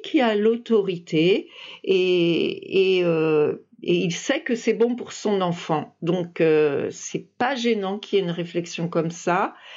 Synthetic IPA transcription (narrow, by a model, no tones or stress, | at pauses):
kʲʰialot̪ɔʁit̪eeː | ø | eilsɛkəsɛbɔ̃puʁsɔ̃nɑ̃fɑ̃d̪ɔ̃køsɛpaʒenɑ̃kʰʲiɛynʁeflɛksjɔ̃kɔmsa